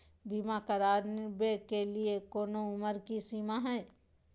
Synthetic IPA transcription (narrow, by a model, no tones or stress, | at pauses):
biːmakəɾaːɾnɪbekeliekoːnoʊməɾkisiːmaɦɛː